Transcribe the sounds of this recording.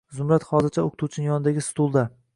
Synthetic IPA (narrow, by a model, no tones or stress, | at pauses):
zʊmɾat̪hɒzɪɾt͡ʃʰaokʰɪt̪ʰuwt͡ʃʰɪnɪŋjɒnɪd̪aɡʲɪst̪ulˠd̪a